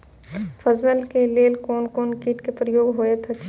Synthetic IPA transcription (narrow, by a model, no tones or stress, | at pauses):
fʰəznəlkeleːlkoːnkoːnkiːʈkepɾəjoːɡɦoet̪ʰet͡ʃ